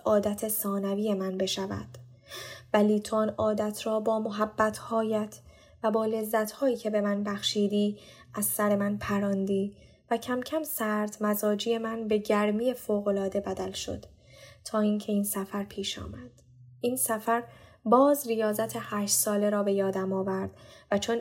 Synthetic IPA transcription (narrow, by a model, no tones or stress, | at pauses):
ʔɒːd̪æt̪ʰesɒːnæviːjemænbe̞ʃævæ̰d̪̥ | væliːt̪ʰonɒːd̪æt̪ʰɾɒːbɒːmoɦæbːæt̪ʰhɒːjæt̪ʰ | væbɒːle̞zːæt̪ʰhɒːjiːcʰe̞be̞mænbæxʃiːd̪iː | ʔæz̥sæɾe̞mænpʰæɾɒːnd̪iː | væcʰæmcʰæmsæɾt̪mæzɒːd͡ʒiːje̞mænbe̞ɟæɾmiːje̞foːɣo̞lɒːd̪e̞bæd̪ælʃo̞̰d̪̥ | t̪ʰːɒːiːŋcʰe̞iːnsæfæɾpʰiːʃɒ̰ːmæd̪̥ | ʔiːnsæfæɾ | bɒːzrijɒːzæt̪ʰehæːʃt̪sɒːle̞ɾɒːbe̞jɒːd̪æmɒːvæɾd̪̥væt͡ʃʰo̞n